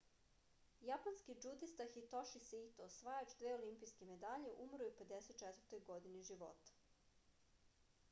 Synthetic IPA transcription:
japanskid͡ʒud̪ist̪axit̪oʃisit̪osʋajat͡ʃd̪ʋeːolimpijskeme̞d̪aʎeʔumɾujupe̞d̪eset̪̚t͡ʃet̪vəɾt̪o̞jɡo̞d̪iniʒiʋo̞̰t̪ḁ

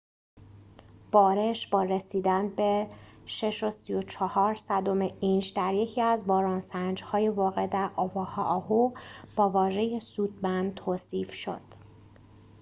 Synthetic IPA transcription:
b̥ɒːɾe̞ʃb̥ɒːɾesiːd̪ænbe̞ | ʃe̞ʃo̞sijo̞t͡ʃʰɒhɒːɾsæd̪o̞meʔind͡ʒd̪æɾje̞cʰiːæzbɒːɾɒːnsænd͡ʒhɒːjevɒːɣe̞d̪æɾʔɒːvɒːhɒʔɒɦub̥ɒːvɒːʒe̞jesuːd̪̚mænd̪t̪ʰoːsiːfʃo̞̰d̪̥

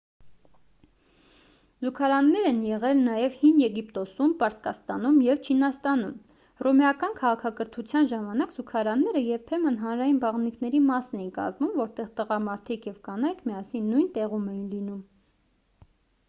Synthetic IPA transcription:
zukʰɑɾɑnːɛɾɛnjɛʁɛlnɑjɛvhinjɛɡipt̪ɔsumpɑɾskɑst̪ɑnumjɛvt͡ʃʰinɑst̪ɑnum | rɔmɛjɑkɑnkʰɑʁɑkʰɑkəɾt̪ʰut͡sʰjɑnʒɑmɑnɑkz̥ukʰɑɾɑnːɛɾəjɛɾpʰɛmənɦɑnɾɑjinbɑʁnikʰnɛɾimɑsnɛjinkɑ̰zmumvɔɾt̪ɛʁt̪əʁɑmɑɾt̪ʰikʰjɛvkɑnɑjkʰmijɑsinːujnt̪ɛʁumɛjinlinum

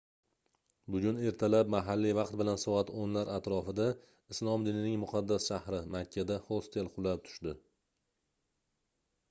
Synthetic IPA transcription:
bʊɡʲʊne̞ɾt̪ʰalap̚maɦalːivɑqt̪̚bɪlansɒat̪onlaɾat̪ɾɒfɪd̪a | ɪslˠɒmd̪ɪnɪnɪŋmʊqʰɑd̪ːasʃahɾɪmakʲʰːad̪ahost̪ʰelˠqʰʊlˠap̚t̪ʰʊ̥ʃd̪ɪ

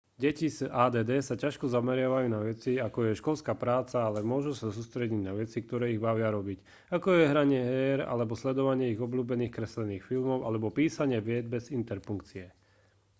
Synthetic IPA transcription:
ɟɛcisaːd̪ɛːd̪ɛːsacaʃkɔzamɛɾɪaʋajuːnaʋɛt͡siakɔjɛʃkɔlskapɾaːt͡saalɛmʊɔʒusasuːst̪ɾɛɟiɟnaʋɛt͡sik̚t̪ɔɾɛːiɣbaʋɪaɾɔbic | akɔjɛɦɾaɲɪɛɦɛːɾa̰lɛbɔslɛd̪ɔʋaɲɪɛiɣɔbluːbɛniːxkɾɛslɛniːxfilmɔʊʔalɛbɔpiːsaɲɪɛʋɪɛd͡zbɛzint̪ɛɾpuŋkt͡siɛ

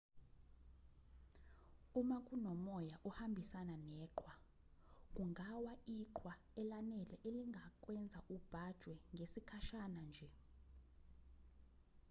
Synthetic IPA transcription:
umakʼunɔmɔjaʔuhambʱisananɛːǃʰwa | k̬uŋʱawaʔiǃʰwa | ɛlanɛlɛʔeliŋɡʱak̬ʼwɛnd͡zʱaʔub̥ʱad̥ʒ̥ʱwɛŋɡʱesikʰaʃanand͡ʒʱɛ

